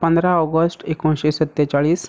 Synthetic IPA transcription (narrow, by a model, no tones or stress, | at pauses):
pənd̪ɾaɔɡəsʈekõnɕesət̪ːet͡saɭiːs